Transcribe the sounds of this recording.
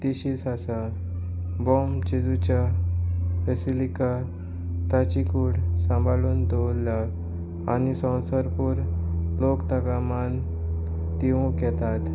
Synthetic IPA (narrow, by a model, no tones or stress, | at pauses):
t̪iɕisasa | bɔmt͡ɕid͡zut͡ɕa | fesilika | t̪at͡ɕikuːɽsə̃mbʱaluːnd̪owlːa | anisɔ̃w̃səɾpuːɾlokt̪aɡaman | t̪iʋũkɛt̪at̪